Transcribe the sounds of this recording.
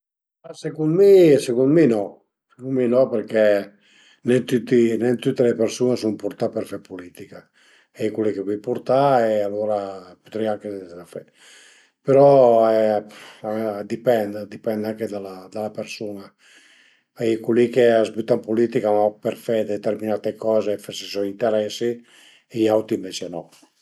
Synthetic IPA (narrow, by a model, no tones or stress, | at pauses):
asekunmisekunminɔ | sekunminɔpeɾkɛ | nɛnt̪ut̪ːinɛnt̪ut̪ːelepeɾsunesumpuɾt̪apeɾfɛpulit̪ika | ɛjkulikepɔjpuɾt̪aealoːɾapu̥t̪ɾiaŋkeafɛd̪ | peɾɔɛ | d̪ipɛnd̪d̪ipɛnd̪aŋked̪alad̪alapeɾsuːna | ɛjkulikeazbyt̪ːampulit̪ikamapeɾfɛd̪et̪eɾminat̪ekɔːzeːfaɾsisɔint̪eɾɛsi | ejawt̪iɱvɛt͡ʃenɔ